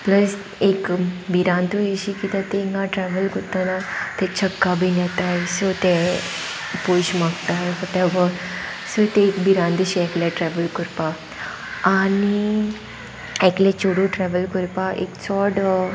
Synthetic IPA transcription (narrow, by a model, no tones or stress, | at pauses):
pləs | ekbiɾãnt̪ujeɕikit̪ãt̪ẽŋɡãʈɾɛʋəlkut̪anat̪ɛt͡ɕʰəkːabʱinat̪ajsot̪e | pojɕmaɡt̪ajʋɔʈɛbəɾsot̪eːkbiɾãnd̪əɕiɛkleʈɾɛʋəlkuɾpaː | ni | ɛklet͡ɕoɽũʈɾɛʋəlkuɾpaʔḛkt͡sɔɽ